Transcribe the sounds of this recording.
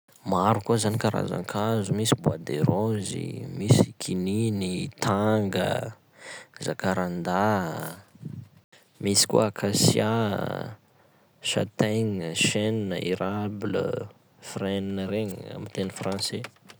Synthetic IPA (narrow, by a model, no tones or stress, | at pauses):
maɾukuzanikaɾa̰za̰ŋkʰazumisibuad̪eɾozḭmisikʰininit̪ʰaŋɡə̰ | zakaɾand̪a | misi̥kṵaakʰasja | ʃa̰t̪eɲəʃennəiɾablə̰ | freninəɾeɲa̰mit̪enifrɑ̃nse